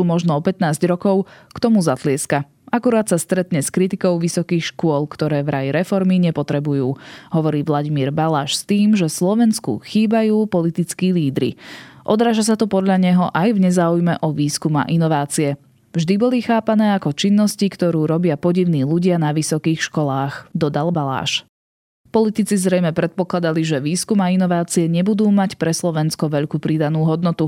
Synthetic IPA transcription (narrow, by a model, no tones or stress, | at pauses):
umɔʒnɔɔpɛt̪naːzɟɾɔkɔʊkt̪ɔmuzat̪lɪɛska | ʔakuɾaːt̪sast̪ɾɛt̪ɲɛskɾit̪ikɔʊʋisɔkiːxʃkʊɔlˠkt̪ɔɾɛːʋɾʔajɾɛfɔɾmiɲɛpɔt̪ɾɛbujuːɦɔʋɔɾiːʋlaɟimiːɾbalaːʃst̪iːmʒɛslɔʋɛnskṵxiːbajuːpɔlit̪it͡skiːliːd̪ɾḭʔɔd̪ɾaːʒas̬at̪ɔpɔd̪ʎaɲɛɦɔʔajvɲɛzaːujmɛʔɔʋiːskuma̰ʔinɔʋaːt͡siɛ | vʒd̪ibɔlixaːpanɛːakɔt͡ʃinːɔscikt̪ɔɾuːɾɔbɪapɔɟiʊniːluɟɪanaʋisɔkiːxʃkɔlaːxd̪ɔd̪albala̰ːʃ | pɔlit̪it͡sizɾɛjmɛpɾɛt̪̚pɔklˠad̪aliʒɛʋiːskumainɔʋaːt͡siɛɲɛbud̪uːmacpɾɛslɔʋɛnskɔʋɛʎkupɾid̪anuːɦɔd̪nɔt̪u